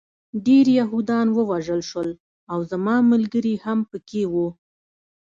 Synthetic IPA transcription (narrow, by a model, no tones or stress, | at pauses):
ɖeɾjaɦud̪ɑnwəwaʒəlʃwəl | awzamɑmalɡəɾihampəkewu